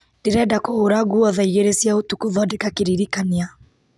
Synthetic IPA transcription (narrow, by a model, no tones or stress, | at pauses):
d̥iɾɛdakɔoɾaɡuaðaiɣeɾɛsiautukuðɔdikakiɾiɾikania